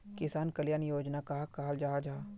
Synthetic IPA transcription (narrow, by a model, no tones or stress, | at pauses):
kɪsaːnkɐljaːnjoːd͡ʒnakaɦakaɦald͡ʒaɦad͡ʒaː